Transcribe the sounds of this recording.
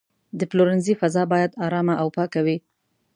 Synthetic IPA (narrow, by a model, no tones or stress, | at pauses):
d̪əploɾɪnzifazɑbɑjad̪ɑɾɑmaʔawpɑkawi